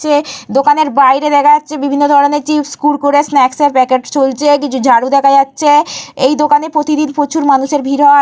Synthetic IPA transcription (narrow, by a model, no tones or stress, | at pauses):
t͡ɕʰed̪okaneɾbajɾed̪ɛkʰajatːɕʰebibʱinːod̪ʱɔɾoneɾt͡ɕifskulkoɾesnɛkseɾpɛkeʈt͡ɕolt͡ɕʰek̬it͡ɕʰud͡ʑʱaɽud̪ɛkʰad͡ʑatːɕʰeejd̪okanepɾot̪id̪inpot͡ɕʰuɾmanuʃeɾbʱiɾɦɔ